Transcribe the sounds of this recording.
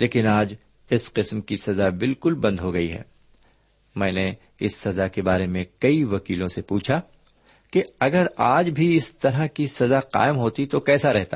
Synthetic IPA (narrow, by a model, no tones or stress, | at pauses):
lʔeːkɪnaːd͡ʒ | ɪsqɪsmkisɐd̪abɪlkʊlbɐ̃nd̪ɦoɡɐiɦɛ̰ː | mɛ̃ːne | ɪsːɐd̪akebaːɾemẽkɐiʋɐkiːlõsepuːt͡ʃʰa | keɐɡəɾaːd͡ʒbʱiɪst̪ɐɾakisɐd̪aqa̰ːɪmɦoːt̪it̪okɛːsaɾɛɦt̪a